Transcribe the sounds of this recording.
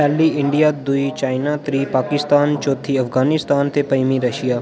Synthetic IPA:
ɛːlːiɪ̃ɳɖijad̪uit͡ʃaːɪnat̪ɾiːpaːkɪst̪aːnt͡ʃoːt̪ʰːiɐfɡaːnɪst̪aːnt̪ʰepɐjmiɾɐʃijaː

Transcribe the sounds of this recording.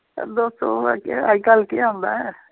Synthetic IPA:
d̪oːst̪okaikalkeãnd̪aːɦɛ

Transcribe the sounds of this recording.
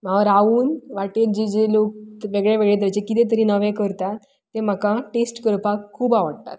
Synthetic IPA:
m̤aʋəɾauːnʋaʈeɾd͡ʑed͡ʑelok̚ʋeɡɭeʋeɡɭet̪̬ət͡ɕekit̪ẽt̪̬əɾiːnəʋẽkəɾt̪at̪ː | em̤əkãʈesʈkəɾpakʰːuːbaʋəɽt̪a̰t̪

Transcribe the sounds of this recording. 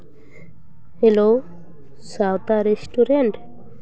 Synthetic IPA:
helo | sawt̪aɾesʈuɾeɳʈ

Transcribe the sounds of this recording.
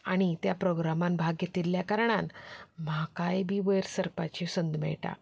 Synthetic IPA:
aɽ̃it̪japɾoɡɾamambʱaɡjet̪ilːjakaɾɳ̃anm̤akajbʱiːʋəjɾsəɾpat͡ɕesənd̪mɛ̰ɭʈa̰

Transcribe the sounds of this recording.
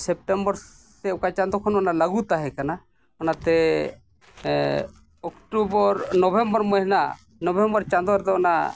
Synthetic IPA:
sɛp̚ʈɛmbɔɾ | t̪ɛɔkat͡ʃãnd̪ɔkʰɔnɔnalaɡut̪aɦɛkana | ɔnat̪ɛ | ɔkʈubɔɾnɔbʱɛmbɔɾmɔjɦɛna | nɔbʱɛmbɔɾt͡ʃand̪ɔɾɛd̪ɔɔna̰

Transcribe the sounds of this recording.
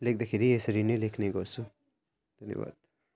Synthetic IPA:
lek̚d̪ɐkʰiɾiesɐɾinelekʰneɡoːsu | d̪̥ʱɐnjɐ̰ʋa̰ːd̪

